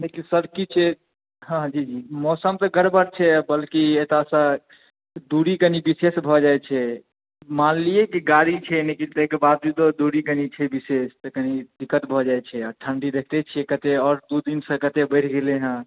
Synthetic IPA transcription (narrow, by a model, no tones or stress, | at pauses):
nekisəbkit͡ʃʰɛ | ɦãd͡ʒid͡ʒimɔsəmt̪əɡəɾbəɾt͡ʃʰɛbəlkiet̪asə | d̪uɾikənibisesbʱɔd͡ʒaet͡ʃʰɛ | manlijekiɡaɾit͡ʃʰɛnekit̪əekebad̪̚d͡ʒut̪od̪uɾikənit͡ʃʰɛbisest̪əkənid̪ikːət̪bʱɔd͡ʒajt͡ʃʰɛɔʈʰəɳɖid̪ekʰt̪et͡ʃʰijɛkət̪eɔːɾd̪ud̪insə̃kət̪ebəɪʈʰɡeleɦə̃